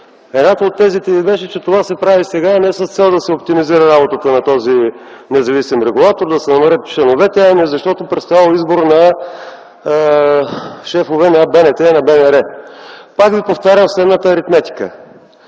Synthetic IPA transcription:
ɛd̪nat̪əot̪ːɛzit̪ɛvibɛʃɛt͡ʃɛt̪ovasɛpɾavisɛɡanɛsəst̪sɛlˠd̪ɐsɛop̚t̪imiziɾəɾabot̪ət̪ənɐt̪ɔzi | nɛzɐvisimɾɛɡulˠat̪oɾd̪ɐsɛnɐmɐɾət̪̚t͡ʃlɛnovɛt̪ɛaniɛzɐʃt̪ɔt̪opɾɛt̪st̪jalˠizboɾnɐ | ʃɛfovɛnɐbɛnɛt̪ɛnɐbɛnɛɾɛpakvipoft̪aɾʲjəmslɛd̪nət̪əːɾit̪mɛt̪i̥kə̰

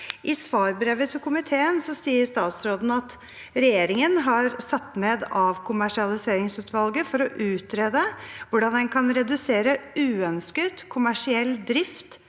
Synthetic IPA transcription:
ʔɪsʋɑːɾbɾeːʋət̪ʰɪlkʰʊmɪt̪ʰeːənsɔsiːəɾʂt̪ɑːt̪sɾoːd̪n̩ɑt̪ | ɾɛjeːɾɪŋənɦɑɾsɑt̪ːneːd̪ɑʋkʰʊmæʂɪɑlɪseːɾɪŋsʉːt̪ʰʋɑlɡəfɔɾɔʔʉːt̪ɾeːd̪əʋʊɖɑnd̪ɛnkʰɑnɾɛd̪ʉseːɾəʉːœnskət̪kʰʊmæʂɪɛlːd̪ɾɪft̪

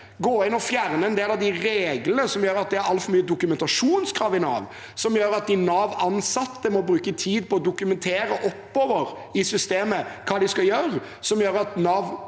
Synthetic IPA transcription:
ɡoːɪnɔfjæʁnəɛnd̪eːlɑʋd̪ɪɾeːɡlənəsɔmjøːɾəɑt̪̚d̪ɛæɾɑlt̪fɔɾmyːəd̪ʊkʉmɛnt̪ɑʂuːnskʰɾɑːʋɪnɑ̰ːʋ | sɔmjøːɾɑt̪̚d̪ɪnɑːʋɑnsɑt̪ːəmɔbɾʉːkət̪ʰiːd̪̚pʰɔɔd̪ʊkʉmɛnt̪ʰeːɾəʔɔpːɔːʋəɾ | ɪsʏst̪eːməkʰɑːd̪ɪskɑjøːʁ | sɔmjøːɾɑt̪nɑːʋ

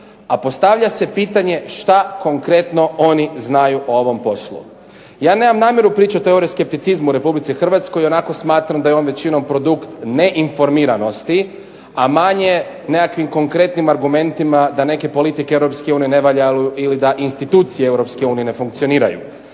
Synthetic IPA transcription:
apo̞st̪aʋʎase̞piːt̪aɲe̞ʃt̪ako̞ŋkɾe̞t̪no̞o̞niznajuʔoo̞ʋo̞mpo̞slˠṵ | jaːne̞ːmamnaːmje̞ɾupɾiːt͡ʃot̪eoɾioske̞p̚t̪it̪sizmuɾe̞publit̪sixr̩ʋat̪sko̞jo̞nako̞smaːt̪ɾamd̪ajeo̞nʋe̞t͡ɕino̞mpɾo̞d̪ukt̪ne̞ʔinfo̞ɾmiːɾano̞st̪i | amaɲe̞ | nekakʋimko̞ŋkɾe̞t̪nimaɾɡume̞nt̪imad̪ane̞ke̞po̞lit̪ikeewɾo̞pske̞uːnijene̞ʋaʎauilid̪aʔinst̪it̪uːt̪sijeewɾo̞pskeuːnijene̞fuŋkt̪sio̞niːɾa̰jṵ

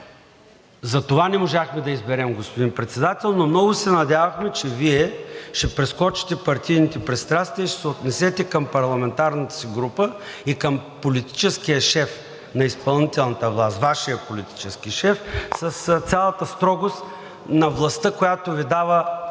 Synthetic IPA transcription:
zɐt̪ovanɛmoʒaxmɛd̪ɐizbɛɾɛmɡospod̪inpɾɛt̪sɛd̪at̪ɛlˠnomnɔvʊsɛnɐd̪ʲavɐxmɛt͡ʃɛviɛʃɛpɾɛskɔt͡ʃi̥t̪ɛpɐɾt̪ʲijnit̪ɛpɾɛt̪st̪ɾast̪viəiʃɛ̥sɛot̪nɛsɛt̪ɛkɐmpɐɾlˠɐmɛnt̪aɾnət̪ə̥siɡɾupə | ikəmpolit̪i̥t͡ʃɛskijəʃɛf | nɐispɐlˠnit̪ɛlˠnɐt̪əvlˠast̪vaʃijəpolit̪i̥t͡ʃɛskiʃɛfsɐst̪sʲalˠɐt̪əst̪ɾɔɡost̪ | nɐvlˠɐst̪əkojat̪ovid̪avə

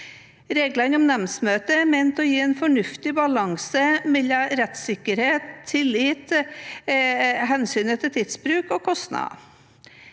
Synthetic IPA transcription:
ɾeːɡlɑnɔmnɛmsmøːt̪əmɛnt̪ɔjiːeːnfɔɳʉft̪ɪbɑlɑŋsəmɛlɑɾɛt̪sɪkːəɾheːt̪ʰːɪliːt̪ | ɦɛnsyːnət̪ʰɪlt̪ʰid̪sbɾʉːkɔkʰɔst̪nɑ̰

